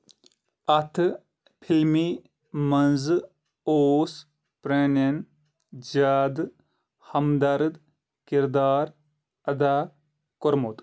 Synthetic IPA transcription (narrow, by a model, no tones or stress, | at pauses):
ɐt̪ʰ | pʰilmiː | mɐnzɨ | oːs | pɾenɐn | d͡ʒaːd̪ | hɐmd̪ɐɾɨd̪ | kiɾd̪aːɾ | ɐd̪aː | koɾmoːt̪